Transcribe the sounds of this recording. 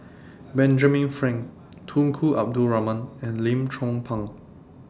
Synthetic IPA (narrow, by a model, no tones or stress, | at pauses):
bɛ̃nd͡ʒəmĩnfɹɛ̃ŋ | tʰũŋkʰuʔa̰p̚duɹamə̃nɛ̃nlĩmtʰɹɔ̃ŋpʰãŋ